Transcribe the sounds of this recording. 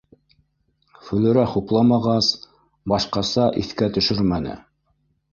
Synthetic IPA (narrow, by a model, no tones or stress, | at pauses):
fɵ̆lɘ̆ɾæχuplˠɑmɑʁɑs | bɑʃqɑsɑʔiθkæt̪ɵ̆ʃɵɾmænɘ̰